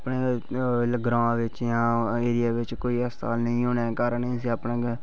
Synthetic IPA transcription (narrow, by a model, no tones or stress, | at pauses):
pneː | ɡɾãːʋɪt͡ʃjãːeːɾɪjaːʋɪt͡ʃkoːiːəst̪a̰ːlnəĩːoːneːkəɾneiːsiːəpnẽːɡ